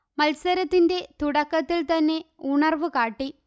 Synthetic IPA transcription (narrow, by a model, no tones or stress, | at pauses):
mɐlsɐɾɐt̪ːinde̞t̪uɽɐkːɐt̪ːilt̪ɐnːe̞uɳɐrʋɨkaːʈːi